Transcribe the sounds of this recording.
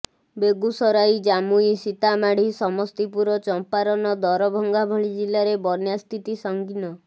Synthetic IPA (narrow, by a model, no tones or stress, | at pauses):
beɡusɔɾajd͡ʒamuisit̪amaɽ̤isɔmɔst̪ipuɾɔt͡ʃɔmpaɾɔnɔd̪ɔɾɔbʱɔŋɡabʱɔɭid͡ʒilaɾebɔnjast̪it̪isɔŋɡinɔ